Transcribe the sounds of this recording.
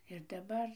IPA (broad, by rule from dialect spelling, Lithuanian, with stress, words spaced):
ɪr dɐˈbɐr